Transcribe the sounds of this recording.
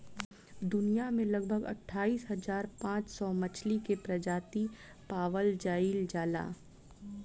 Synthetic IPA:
d̪ʊnijamẽlɐɡ̚bʱəɡɐ̰ʈʰːaːiːsɦɐzaːɾpãːt͡ʃsɔmɐt͡ʃʰlikepɾɐd͡ʒaːt̪i | paːʋəld͡ʒaːiːld͡ʒaːla̰ː

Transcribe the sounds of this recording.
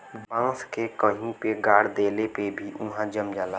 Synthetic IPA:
bbãŋskekəɦũpeɡaːɽd̪eːlepebʱiʔʊ̃ɦãd͡ʒəmd͡ʒaːla

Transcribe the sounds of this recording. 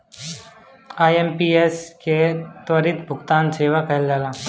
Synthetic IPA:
aːjempiesket̪wəɾɪt̪bʱʊɡt̪aːnseːʋakɐld͡ʒaːlaː

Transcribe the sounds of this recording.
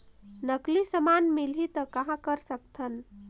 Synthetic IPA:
nəklisəmanmilɦit̪əkaɦãkəɾsək̚t̪ʰən

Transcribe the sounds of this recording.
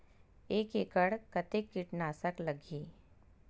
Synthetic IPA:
eːkeːkəɽkɐt̪ekːiʈnaːsəklɐɡiː

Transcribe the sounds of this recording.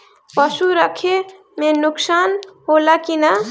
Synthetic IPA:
pəsuɾəkʰe | mẽnʊksaːnɦolakina

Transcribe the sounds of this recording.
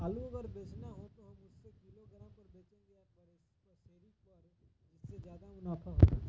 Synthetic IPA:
aluɐɡəɾbeːt͡ʃnaɦot̪oɦɐmʊsːekiloɡɐɾə̃pɐɾbeːt͡ʃẽɡɐjapɐɾes | kɐseːɾikoaɾũd͡ʒɪsːed͡ʒjaːd̪amʊnaːfʰaɦo̰

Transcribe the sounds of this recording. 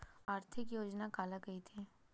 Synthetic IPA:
aːɾt̪ʰɪkjoːd͡ʒnakaːlakɐit̪ʰe

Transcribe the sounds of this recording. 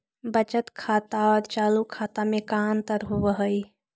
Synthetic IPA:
bət͡ʃət̪kʰaːt̪aɔːɾt͡ʃaːlukʰat̪amekant̪əɾɦuəɦəj

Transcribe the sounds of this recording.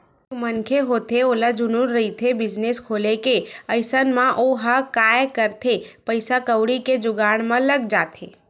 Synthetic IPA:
mənkʰeɦoːt̪eoːlad͡ʒʊnuɾːɐɦit̪ʰebɪd͡ʒneskʰoːlekeəɪsənmãʔoɦakaːjkəɾt̪ʰepəɪsakəwɽiked͡ʒʊɡaːɽ̃mãləɡd͡ʒaːt̪ʰeː

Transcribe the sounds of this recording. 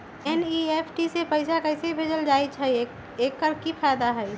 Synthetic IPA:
eniepʰʈisepəɪsakəɪseibʱed͡ʒəld͡ʒait͡ʃʰə | ekːəɾkipʰajd̪aɦəj

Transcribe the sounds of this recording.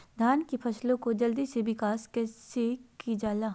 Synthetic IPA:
d̪ʱaːnkipʰɐslõkod͡ʒɐld̪isebɪkaːskɛːsekid͡ʒaːlaː

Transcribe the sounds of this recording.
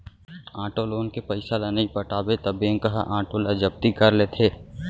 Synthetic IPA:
ãːʈoloːnkepəɪsalanɐĩpəʈaːbet̪ɐbẽːŋkəɦa̰ʔãːʈolad͡ʒəb̚t̪ikəɾleːt̪ʰeː

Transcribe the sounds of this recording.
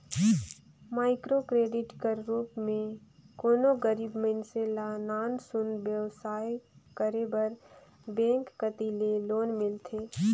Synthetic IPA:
maːɪkɾokɾeːɖɪʈkəɾɾuːpmẽkoːnoɡəɾiːbmenselaːnaːnsʊnbjəʋsaːjkəɾebəɾ | bɛ̃ːŋkːət̪ileloːnmɪlt̪ʰeː

